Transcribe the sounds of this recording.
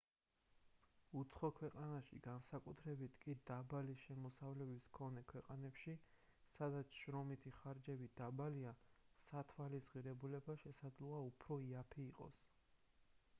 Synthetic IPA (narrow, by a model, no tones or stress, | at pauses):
ut̪sʰχɔkʰwɛqʼanaʃḭɡansakʼut̪ʰɾɛbit̪ʰkʼid̪abaliʃɛmɔsavlɛbiskʰɔnɛkʰwɛqʼanɛpʃi | sad̪at̪sʰʃɾɔmit̪ʰiχaɾd͡ʒɛbid̪abaliasat̪ʰwalisʁiɾɛbulɛbaʃɛsad̪zlˠɔaupʰɾɔiapʰiːqʼɔ̰s